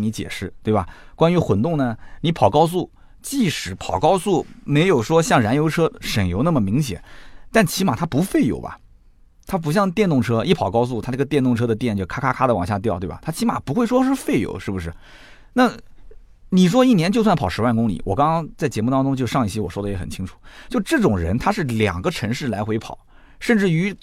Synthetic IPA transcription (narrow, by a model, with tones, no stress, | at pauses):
ni˧˥t͡ɕjɛ̰˨˩ʂɻ̩˥˩t̪we˥˩ɪbɐ̰˩kwa˥ny˧˥xwə˧˥nt̪ʊ˥˩ŋnə˩ni˧˥pʰɑ˨˩ʊkɑ˥ʊs̬u˥˩ | t͡ɕi˥˩ʂɻ̩˧˥pʰɑ˨˩ʊkɑ˥ʊsu˥˩me˧˥ɪjo˨˩ʊʂwɔ˥ɕjɑ˥˩ŋɻa˧˥njo˧˥ʊʈ͡ʂʰɤ˥ʂə˨˩ŋjo˧˥ʊna˥˩mə˩mi˧˥ŋɕjɛ̰˨˩˦nt̪a˥˩nt͡ɕʰi˧˥ma̰˨˩t̪ʰa˥pu˧˥fe˥˩ɪjo̰˨˩ʊbɐ̰˨˩ | t̪ʰa˥p̬u˧˥ɕ̬jɑ˥˧ŋt̪̬jɛ˥˧nt̪ʊ˥˩ŋʈ͡ʂʰɤ˥i˥˩pʰɑ˨˩ʊkɑ˥ʊs̬u˥˩t̪ʰa˥˧˥ɡə˧t̪jɛ˥˧nʊ˥˩ŋʈ͡ʂʰɤ˥d̪ə˨˧t̪jɛ˥˩nt͡ɕo˥˧˩kʰa˥kʰa˥kʰa˥d̪ə˨wɑ˨˩ŋɕja˥˧t̪jʊt̪we˥˩bɐ̰˨˩t̪ʰa˥t͡ɕʰi˧˥ma̰˨˩pu˧˥xwe˥˩ɪʂwɔ˥ʂɻ̩˥˧fe˥˩ɪjo̰˨˩˦ʊʂɻ̩˥˩bu˩ʂ̬ɻ̩˥˩ | na˥˩ | ni˨˩ʂ̬wɔ˥i˥˩njɛ˧˥nt͡ɕo˥˧ʊswa˥˩n˩pʰɑ˨˩ʊʂɻ̩˧˥wa˥˩nkʊ˥ŋlḭ˨˩˦wɔ̰˨˩kɑ˥ŋkŋɑ˥ŋt͡sa˥˩ɪt͡ɕjɛ˧˥mu˥˩t̪ɑ˥ŋʈ͡ʂʊ˥ŋt͡ɕjo˥˧ʊʂɑ˥˧ŋi˥˩ɕjɛ˥wɔ˨˩ʂɔ˥d̪ə˨jɛ˧˥xə̰˨˩nt͡ɕʰi˥ŋʈ͡ʂʰu̥˨˩˦t͡ɕjo˥˧ʊʈ͡ʂɤ˥˩ʈ͡ʂʊ˨˩ŋɻə̰˧˥nt̪ʰa˥ʂɻ̩˥˩ljɑ̰˨˩ŋɡə˧˦ʈ͡ʂʰɤ˧˥ŋʂɻ̩˥˩la˧˥ɪxwe˧˥ɪpʰɑ˨˩˦ʊ | ʂə˥˧nʈ͡ʂɻ̩˥˩y˧˥